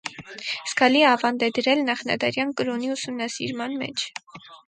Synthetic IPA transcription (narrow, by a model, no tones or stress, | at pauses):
skʰɑliɛɑvɑnd̪ɛd̪əɾɛlnɑχnɑ̰d̪ɑɾjɑnkəɾɔniusumnɑsḭɾmɑnmɛ̰t͡ʃʰ